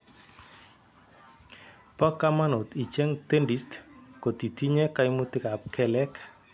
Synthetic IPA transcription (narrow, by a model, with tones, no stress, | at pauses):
pɔ˦ka˦ma˦no˨t̪i˨t͡ʃe˦ŋt̪e˦ndi˨˦stko˨t̪i˨ti˦ɲe˦ka˦ɪ˦mu˦t̪ɪ˦ka˨p̚kʰɛ˦lɛ˦k